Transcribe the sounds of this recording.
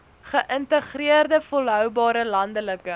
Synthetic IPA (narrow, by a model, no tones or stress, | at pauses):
χəʔəntəχriərdəfɔlˠɦœwbɑːɾəlɐndələkə